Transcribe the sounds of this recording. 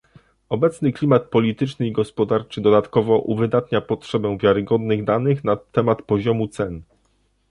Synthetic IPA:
ɔbɛt̪snɘklʲimat̪̚pɔlʲit̪ɘt͡ʂnɘiɡɔspɔd̪aɾt͡ʂɘd̪ɔd̪at̪kɔvɔʔuvɘd̪at̪ɲapɔtʂɛbɛ̃vʲjaɾɘɡɔd̪nɘɣd̪anɘxnat̪ɛmat̪pɔʑɔmut̪sɛn

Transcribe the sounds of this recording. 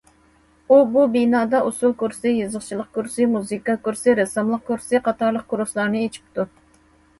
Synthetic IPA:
ububinɑːd̪ɑʔusukuɾsɨjɨzəχt͡ʃʰilˠəq̚kuɾsɨmuzɨkɑkuɾsɪɾɛsɨmlˠəq̚kuɾsɨqʰɑt̪ɑɾlˠəq̚kʰuɾuslˠɑɾnɨet͡ʃʰi̥p̚t̪ʰu

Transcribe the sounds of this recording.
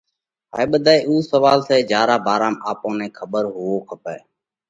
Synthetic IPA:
ɦa̰ːeːɓəd̪ʱaːeːʔuːsəʋaːlseːd͡ʒjaːɾaːbaːɾaːmaːpõːnɛ̃ːkʰəɓəɾɦʊoːkʰəpɛː

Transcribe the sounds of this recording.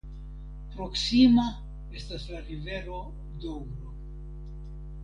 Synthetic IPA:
pɾo̞ksima | e̞staslaɾive̞ɾo̞ | dowɾo

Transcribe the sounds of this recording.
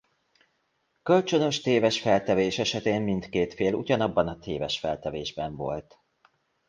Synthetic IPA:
kø̞lt͡ʃø̞nø̞ʃt̪eːvɛʃfɛlt̪ɛveːʃɛʃɛt̪eːmmint̪keːt̪feːlṵɟɒnɒbːɒnɒt̪ʰeːvɛʃfɛlt̪ɛveːʒbɛɱvo̞̰lt̪

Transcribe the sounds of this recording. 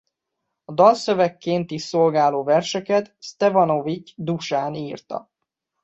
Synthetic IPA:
ɒd̪ɒlsøvɛkːeːnt̪iʃolɡaːloːvɛrʃɛkɛt̪st̪ɛfɒnovit͡ʃd̪uʃaːniːrt̪ɒ̰

